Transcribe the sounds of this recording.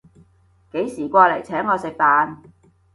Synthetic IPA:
ke˨˥jsiː˨˩kʷaː˧le˨˩jt͡sʰɛː˨˥ŋːɔː˨˧sɪ˨k̚p̪aː˨n

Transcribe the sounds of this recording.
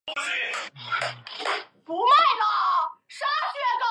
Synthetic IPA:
pu˧˥la˥˩ɪnə˨ʂa˥ɕɥɛ˥˩nə˧˩

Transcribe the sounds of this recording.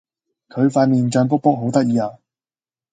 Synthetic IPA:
kʰɵ˨˧ɥfaː˧n̚miː˨˩nt͡ʃœː˧ŋp̬ʊ˥k̚po˥k̚ɦo˨˥wt̪ɐ˥k̚jiː˨˧aː˨˧˩

